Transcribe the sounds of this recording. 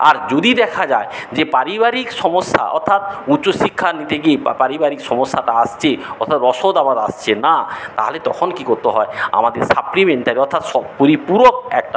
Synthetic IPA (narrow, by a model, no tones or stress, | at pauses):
a̰ɾd͡ʑod̪id̪ɛkʰad͡ʑae | d͡ʑepaɾibaɾikʃɔmosːa̰ʔɔ̰ɾt̪ʰːat̪̚utːɕoʃikʰːanit̪eɡiepaɾibaɾikʃɔmosːaʈaast͡ɕʰeɔɾt̪ʰat̪ɾɔʃod̪amad̪a̰st͡ɕʰenat̪a̰ɦolet̪ɔkʰonkikoɾt̪eɦɔea̰mad̪eɾsaplimeɳʈaɾiɔɾt̪ʰat̪ʃɔpoɾipuɾok̚ɛ̰k̚ʈa